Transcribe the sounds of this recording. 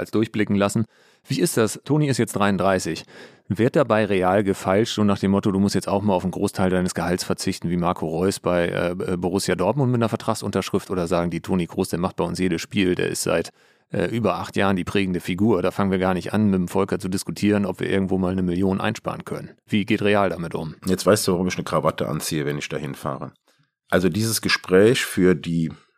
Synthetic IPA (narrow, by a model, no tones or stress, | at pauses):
a̰lsd̥ʊɐçb̥lɪkŋ̩lasn̩ | v̥iːɪst̚d̥astʰoːniɪstjɛt͡sd̥ʁaɪʊndʁaɪsɪç | vɪːɐt̚d̥abaɪʁeaːlɡəfalʃtoːnaːχd̥eːmːɔtoduːmʊstjɛt͡staʊxmuːlaʊn̩ɡʁoːstʰaɪldaɪnəsɡ̥əhalsfɛɐt͡sɪçtn̩viːmaɐkʰoʁɔʏsb̥aɪʔɛ̰ːboʁ̞ʊsjadɔɐtmʊnt̚mɪtnɐfɛɐtʁ̥aχsʔʊntɐʃʁ̥ɪftʔoːdɐzaːɡŋ̩diːtʰoːniɡ̥ʁoːsd̥eːɐmaχt̚b̥aɪʊnsjeːdəsʃpiːldḛːɐʔɪ̰stz̥a̰ɪt | ʔɛ̰ːʔyːbɐʔaχtjaːʁəndiːpʁ̥ɛːɡŋ̩dəfiɡuːɐdaːfaŋənviːɐɡaːɐnɪçtʔa̰nmɪtmfɔlkɐt͡sudɪskutʰiːʁənɔpv̥iːɐʔɪɐɡŋ̩tv̥oːmaːlnəmɪljoːnʔa̰ɪnʃpa̰ːʁənkʰœnənv̥iːɡeːtʁeaːldamɪtʔʊ̰mjɛt͡stv̥aɪstd̥uːvaʁʊmɪçnəkʁ̥avatəʔa̰nt͡siːəvɛnɪçd̥a̰hɪnfa̰ːʁə̰ | ʔalzodiːzəsɡ̥əʃpʁ̥ɛːçfyːɐdiː